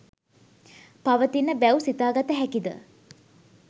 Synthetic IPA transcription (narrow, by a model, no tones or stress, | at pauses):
paʋət̪inːəbæusit̪aːɡat̪əɦækid̪ə̰